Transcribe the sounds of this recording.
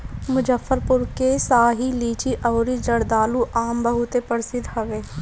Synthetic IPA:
mʊd͡ʒəfːəɾpʊɾkesaːɦiliːt͡ʃiʔɐːɾid͡ʒɐɽd̪aːluʔaːmbəɦʊt̪epəɾsɪd̪hɐʋeː

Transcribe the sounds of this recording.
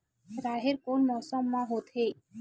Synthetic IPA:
ɾaɦeɾkonmɔsɔmːãɦot̪ʰe

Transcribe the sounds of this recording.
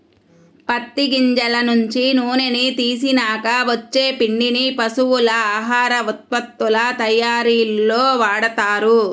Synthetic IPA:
pɐt̪ːiɡiɲd͡ʒɐlɐnuɲt͡ʃinuːnenit̪iːs̬inaːkɐʋɐt͡ʃːeːpiɳɖinipɐsuʋulɐaːɦaːɾɐʋut̪̚pɐt̪ːulɐt̪ɐjaːɾiːlːoːʋaːɽɐt̪aːɾu

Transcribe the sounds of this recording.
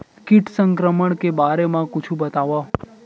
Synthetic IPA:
kiʈsəŋkɾəməɳkebaɾemãkut͡ʃʰũbət̪aʋa

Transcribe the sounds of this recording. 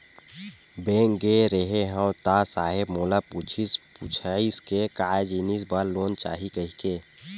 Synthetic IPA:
bẽːŋɡeɾeɦeɦə̃wt̪asaːɦɪbmoːlaput͡ʃʰisput͡ʃʰaiskekaːd͡ʒiːnis̬baɾloːnt͡ʃa̰ːɦikəɦikeː

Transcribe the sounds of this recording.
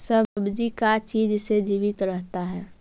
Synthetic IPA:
səbd͡ʒikat͡ʃiːd͡ʒsed͡ʒiːʋɪt̪ɾəɦt̪aɦɛː

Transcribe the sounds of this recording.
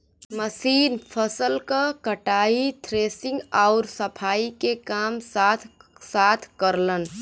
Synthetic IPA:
məsiːnpʰəsəlkakəʈaːit̪ʰɾeːsɪ̃ŋɡaʊɾsəpʰaːikekaːmsat̪ʰsaːt̪ʰkəɾlən

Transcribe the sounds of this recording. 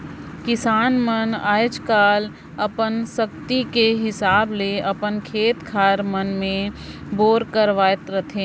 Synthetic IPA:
kɪsaːnməna̰ːjd͡ʒkaːl | ɐpənsəkt̪ikeɦɪsaːbleɐpənkʰeːt̪kʰaːɾmənmẽboːɾkəɾʋaːət̪ɾət̪ʰẽː

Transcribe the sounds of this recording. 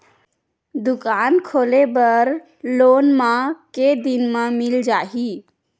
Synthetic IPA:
d̪ʊkaːnkʰoːlebəɾ | loːnmãked̪inmãmɪld͡ʒaːɦi

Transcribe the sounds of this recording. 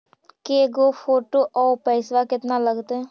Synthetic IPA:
keɡoːpʰoːʈoːʔɔːpəɪsʋaːkɪt̪naːləɡt̪eː

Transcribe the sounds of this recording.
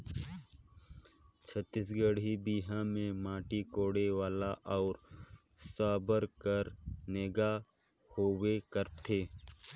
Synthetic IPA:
t͡ʃʰət̪ːisɡəɽibiːɦãmẽmãːʈikoːɽeʋaːlaʔɔːɾ | saːbəɾkəɾneːɡa | hoːwekəɾt̪ʰeː

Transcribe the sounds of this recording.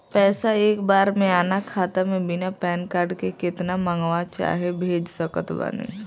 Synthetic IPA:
pɛːsaeːkbaːɾmẽaːnakʰaːt̪amẽbɪnapɛːnkaːɾɖkekɪt̪namə̃ŋɡʋat͡ʃa̰ːɦebʱeːd͡ʒsəkət̪ba̰nḭ

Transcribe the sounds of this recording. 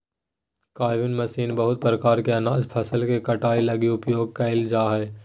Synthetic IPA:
kaːɪʋɪnmɐsiːnbɐɦʊt̪̚pɾəkaːɾkeɐnaːd͡ʒpʰɐsəlkekɐʈaːilɐɡiʊpjoːɡ̚kɐɪld͡ʒaːɦɛː

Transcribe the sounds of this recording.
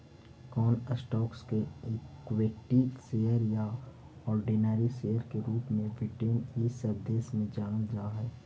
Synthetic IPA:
kɔːnəsʈɔːkskekweːʈiːt̪seːəɾja | ɔːɾɖinaːɾiseːjəɾkeɾuːpmẽʋɪʈeːniːsəbd̪eːsmẽd͡ʒaːnəld͡ʒaːɦɛː

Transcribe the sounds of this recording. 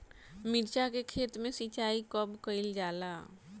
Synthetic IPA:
mɪɾt͡ʃakekʰeːt̪mẽsit͡ʃaːikəbkəɪld͡ʒaːla

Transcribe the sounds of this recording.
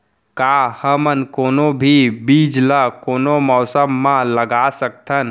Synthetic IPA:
kaːhəmənkoːnobʱibiːd͡ʒləkoːnomɔːsəmːãləɡaːsək̚t̪ʰən

